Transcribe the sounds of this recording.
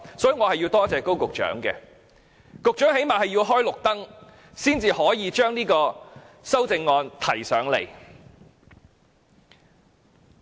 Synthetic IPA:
sɔː˨˥jiː˨˧ŋɔː˨˧hɐ˨ji˧wt̪ɔː˥t͡sɛː˨ko˥wkʊ˨k̚t͡ʃœ̰ː˨˥ŋkɛ̰ː˧ | kʊ˨k̚t͡ʃœː˨˥ŋhe˨˥jmaː˨ɦɐ˨jiː˧wɦɔː˥jlʊ˨k̚t̪ɐ˥ŋ | siː˥nt͡siː˨hɔː˨˥jiː˨˧t͡ʃœː˥ŋniː˥kɔː˧sɐ˥wt͡sɪ˧ŋːɔː˧nt̪ʰɐ˨˩jsœː˨˥ŋle˨˩j

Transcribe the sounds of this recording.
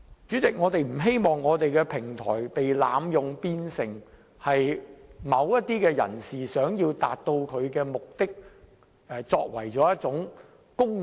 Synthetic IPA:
t͡syː˨˥t͡sɪ˨k̚ŋɔː˨˧t̪e˨jm̩˨˩ɦe˥jmɔː˨ŋːɔː˨˧t̪e˨jkɛː˧pʰɪ˨˩ŋt̪ʰɔ̰ː˨˩jpe˨jla̰ː˨˧˥mjʊ˨ŋpiː˧nsɪ˨ŋ | hɐ˨jmɐ˨˧wjɐ˥t̚t̪iː˥kɛː˧jɐ̰˨˩nsiː˨˩sœː˨˥ŋjiː˧wt̪a̰ː˨t̚t̪o˧wkʰɵ˨˧ɥkɛː˧mʊ˨k̚t̪ɪ˥k̚ | ɛː˨˧t͡sɔ̰ː˧k̚wɐ̰˨˩jt͡sɔː˨˥jɐ˥t̚t͡sʊ˨˥ŋ | kʊ˥ŋ

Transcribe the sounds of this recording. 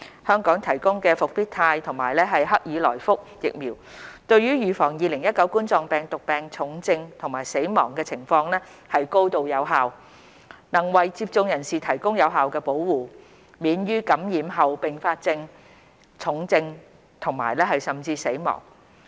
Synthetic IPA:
hœː˥ŋkɔː˨˥ŋt̪ʰɐ˨˩jkʊ˥ŋkɛː˧fʊ˨k̚p̪iː˥k̚t̪ʰaː˧jt̪ʰʊ˨˩ŋmaː˨˩jlɛː˥ɦɐ˨jɦɐ˥k̚jiː˨˧lɔ̰ː˨˩jfʊ˥k̚jɪ̰˨k̚miː˨˩w | t̪ɵ˧ɥɥyː˥ɥyː˨˩fɔː˨˩ŋjiː˨˧lɪ˨˩ŋjɐ˥t̚kɐ˨˥wkuː˥nt͡sɔː˧ŋpɛː˨ŋt̪ʊ˨k̚pɛː˨˩ŋt͡sʰʊ˨˧˥ŋt͡sɪ˧ŋt̪ʰŋmaː˨˩jse˨˥jmɔ̰ː˨˩ŋkɛː˧t͡sʰɪ˨˩ŋfɔː˧ŋlɛː˥ | hɐ˨jko˥wt̪o˨˧wjɐ˨˧wɦaː˨w | nɐ˨˩ŋwɐ˨jt͡siː˧˥p̚t͡sʊ˧ŋjɐ˨˩nsiː˨t̪ʰɐ˨˩jkʊ˥ŋjɐ˨˧wɦaː˨wkɛː˧po˨˥wwuː˨˩ | miː˨˥njyː˥kɐ˨˥mjiː˨˥mɦɐ˨wpɪ˨ŋfaː˧t̚t͡sɪ˧ŋ | t͡sʰʊ˨˥ŋt͡sɪ˧ŋ | t̪ʰʊ˨˩ŋmaː˨˩jlɛː˥ɦɐ˨jsɐ˨mt͡siː˧se˨˥jmɔ̰ː˨˩ŋ

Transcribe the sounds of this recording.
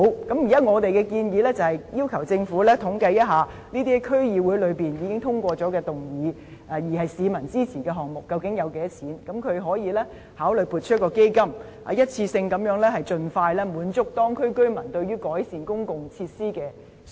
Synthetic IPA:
wkɐ˨˥mjiː˨˩jɐ˥ŋɔː˨˧t̪e˨jkɛː˧kiː˧njiː˨˧lɛː˥t͡sɐ˨whɐ˨˩jjiː˥wkʰɐ˨˩wt͡sɪ˧ŋfuː˨˥lɛː˥t̪ʰʊ˨˥ŋkɐ˧jɐ˥t̚ɦaː˨ | niː˥t̪iː˥kʰɵ˥ɥjiː˨wuː˨˥jlɵ˨˧ɥpiː˨njiː˨˧kɪ˥ŋt̪ʰʊ˥ŋkʷɔː˧t͡sɔː˨˥kɛː˧t̪ʊ˨˩ŋjiː˨˥˨ | jiː˨˩hɐ˨jsiː˨˧mɐ˨˩nt͡siː˥t͡sʰiː˨˩kɛː˧ɦɔː˨˩ŋmʊ˨kːɐ˧wkɪ˨˥ŋjɐ˨˧wke˨˥t͡sʰiː˨˥nkɐ˨˧˥mkʰɵ˨˧ɥɦɔː˨˥jiː˨˧lɛː˥ | haː˨˥wlɵ˨˩jpuː˧t̚t͡ʃʰɵ˥t̚kɔː˧ke˥jkɐ˥m | a̰˨˧˦jɐ˥t̚t͡sʰiː˧sɪ˧ŋkɐ˨˥mjœː˨˥ŋlɛː˥hɐ˨jt͡sɵ˨˧nfaː˧jlɛː˥muː˨˥nt͡sʊ˥k̚t̪ɔː˥ŋkʰɵ˥ɥkɵ˥ɥmɐ˨˩nt̪ɵ˧ɥyː˥kɔː˨˥jsiː˨nkʊ˥ŋkʊ˨ŋt͡sʰiː˧t̚siː˥kɛː˧

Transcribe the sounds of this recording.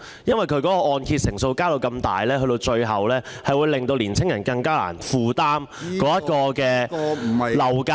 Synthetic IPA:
jɐ˥nwɐ˨˩jkʰɵ˧ɥkɔː˨˥kɔː˧ʔɔː˨˧nkʰiː˧t̚sɪ˨˩ŋso˧wkaː˥t̪o˧wkɐ˧mt̪a̰ː˨jlɛː˥ɦɵ˧ɥt̪o˧wt͡ʃɵ˧ɥɦɐ˨wlɛː˥ | hɐ˨jwuː˨˧jlɪ˨ŋt̪o˧wliː˨˩nt͡sʰɪ˥ŋjɐ˨˩nkɐ˧ŋkaː˥la̰ː˨˩nfuː˨˩t̪aː˥mkɔː˨˥jɐ˥t̚kɔː˧kɛː˧˩ | lɐ˨˩wkaː

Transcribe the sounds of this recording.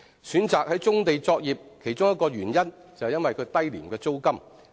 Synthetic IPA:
syː˨˥nt͡saː˨k̚hɐ˨˥jt͡sʊ˥ŋt̪e˨jt͡sɔː˧k̚jiː˨p̚kʰe˨˩jt͡sʊ˥ŋjɐ˥t̚kːɔː˧ɥyː˨˩njɐ˥n | t͡sɐ˨whɛ˨jɐ˥nwɐ˨jkʰɵ˨˧ɥt̪ɐ˥jliː˨˩mkɛː˧t͡so˥wkɐ˥m

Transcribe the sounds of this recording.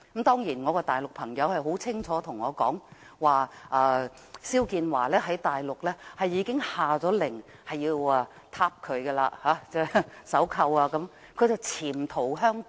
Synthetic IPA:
kmt̪ɔː˥ŋjiː˨˩nŋɔː˨˧kɔː˧t̪aː˨jlʊ˨k̚pʰɐ˨˩ŋjɐ˨˧whɐ˨˩jɦo˨˥wt͡sʰɪ˥ŋt͡sʰɔː˨˥t̪ʰʊ˨˩ŋːɔː˨˧kɔ̰ː˨˥ŋ | waː˨ʔaː˨˧ | siː˥wkiː˧nwa̰ː˨˩lɛː˥ɦɐ˨˥jt̪aː˨jlʊ˨k̚lɛː˥hɐ˨jːiː˨˧kɪ˥ŋhaː˨˩t͡sɔː˨˥lɪ˨˩ŋ | hɐ˨jiː˧waː˨˧ | t̪ʰaː˧˥p̚kʰɵ˨˧ɥɡɛ˧la̰ː˧haː˨˥t͡sɛː˥˩sɐ˨˥wkʰɐ˧waː˧kɐ˨˥m | kʰɵ˨˧ɥt͡sɐ˨wt͡sʰiː˨˩mt̪ʰo˨˩wɦœː˥ŋ

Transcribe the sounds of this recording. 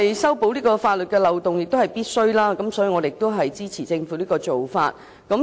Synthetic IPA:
jsɐ˥wpo˨˥wliː˥kɔː˧faː˧t̚lɵ˨t̚kɛː˧lɐ˨wt̪ʊ˨˩ŋjɪ˨k̚t̪o˥whɐ˨jpiː˥t̚sɵ˥ɥlaː˥kɐ˨˦msɔ˨˥y˨˧ŋɔ˨˧ɾe˨ɪkt̪o˥wɦɐ˨jt͡siː˥t͡sʰiː˨˩t͡sɪ˧ŋfuː˨˥liː˥kɔː˧t͡so˨wfa̰ː˧t̚ | kɐ˨˥m

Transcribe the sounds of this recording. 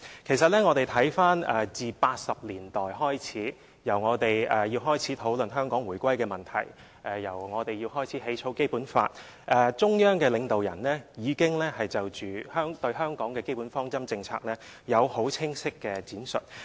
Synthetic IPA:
kʰe˨˩js̬ɐ˨t̚lɛː˥ŋɔː˨˧t̪e˨jt̪ʰɐ˨˥jfaː˥nɛː˨t͡siː˨paː˧t̚sɐ˨p̚liː˨˩nt̪ɔː˨jɦɔː˥jt͡sʰiː˨˥ | jɐ˨˩wŋɔː˨˧t̪e˨jɛ˨˧jiː˧wɦɔː˥jt͡sʰiː˨˥t̪ʰo˨˥wlɵ˨nɦœː˥ŋkɔː˨˥ŋwuː˨˩jkʷwɐ˥jkɛː˧mɐ˨˩nt̪ʰɐ˨˩j | ʔɛ˨˩jɐ˨˩wŋɔː˨˧t̪e˨jiː˧wɦɔː˥jt͡sʰi˨˥ɦe˨˥jt͡ʃʰo˨˥wke˥jpuː˨˥nfa̰ː˧t̚ | ʔɛː˨˧t͡ʃʊ˥ŋjœː˥ŋkɛː˧lɪ˨˧ŋt̪o˨wjɐ̰˨˩nlɛː˥jiː˨˧kɪ˥ŋlɛː˥hɐ˨jt͡sɐ˨wt͡ʃyː˨˩hœː˥ŋt̪ɵ˧ɥɦœː˥ŋkɔː˨˥ŋkɛː˧ke˥jpu˨˥nfɔː˥ŋt͡sɐ˥mt͡sɪ˧ŋt͡sʰa̰ː˧k̚lɛː˥jɐ˨˧who˨˥wt͡sʰɪ˥ŋsɪ˥kːɛː˧t͡siː˨˥nsɵ̰˨t̚

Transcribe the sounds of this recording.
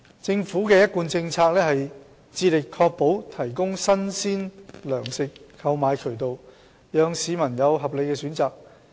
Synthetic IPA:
t͡sɪ˧ŋfuː˨˥kɛː˧jɐ˥t̚kuː˧nt͡sɪ˧ŋt͡sʰaː˧k̚lɛː˥hɐ˨j | t͡siː˧lɪ˨kʰːɔː˧k̚po˨˥wt̪ʰɐ˨˩jkʊ˥ŋsɐ˥nsiː˥nlœː˨˩ŋsɪ˨kʰːɐ˧wmaː˨˧jkʰɵ˨˩ɥt̪o˨w | jœː˨˧ŋsiː˨˧mɐ˨˩njɐ˨˧wɦɐ˨p̚le˨˧jkɛː˧syː˨˥nt͡saː˨k̚

